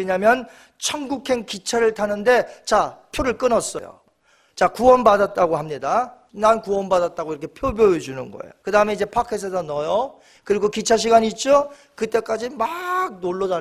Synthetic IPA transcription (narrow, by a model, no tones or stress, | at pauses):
eɲamjʌn | t͡ɕʰʌŋɡukʰe̞nkit͡ɕʰaɾɯɭtʰanɯnde̞t͡ɕapʰjoɾɯɭk͈ɯnʌs͈ʌ̰jo̰ | t͡ɕakuwʌnbadat̚t͈aɡohamɲida | nankuwʌnbadat̚t͈aɡoiɾʌkʰepʰjobjoed͡ʑunɯ̰nɡʌ̰ḛjokɯdaɯme̞id͡ʑe̞pʰakʰes̬ʰes̬ʰʌnʌjʌ | kɯɾiɡokit͡ɕʰaɕ̬ʰiɡaɲiːt̚t͡ɕ͈o | kɯt͈e̞k͈ad͡ʑimaɡ̚noɭːʌd͡ʑa